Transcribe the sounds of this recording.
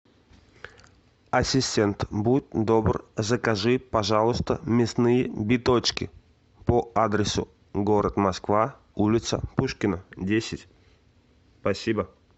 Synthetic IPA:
ɐsʲɪsʲtʲent̪but̚ʲd̪obrzəkɐʐɨpɐʐalˠʊst̪əmʲɪsnɨjəbʲɪt̪ot͡ɕkʲɪ̰ | poad̪ɾʲɪsʊ̰ | ɡoɾət̪mɐskva | ulʲɪt̪səpuʂkʲɪnədʲesʲɪtʲ | spɐsʲibə

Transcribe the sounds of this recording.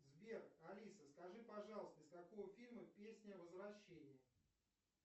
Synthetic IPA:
zbʲerɐlʲisəskɐʐɨpɐʐɑlˠəst̪əɪskɐkovəfʲilʲməpʲesʲnʲəəvəzvɾɐɕːenʲɪjə

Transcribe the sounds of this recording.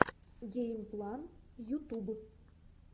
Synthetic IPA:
ɡʲejmplˠɑnjut̪ub

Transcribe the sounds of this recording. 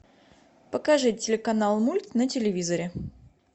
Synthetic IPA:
pəkɐʐɨtʲːɪlʲɪkɐnalˠmulʲt̪nətʲɪlʲɪvʲizəɾʲɪ

